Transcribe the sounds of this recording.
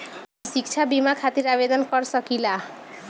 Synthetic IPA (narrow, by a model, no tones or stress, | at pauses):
sik̚t͡ʃʰabimakʰat̪iɾabed̪ɔnkɔɾsʌkila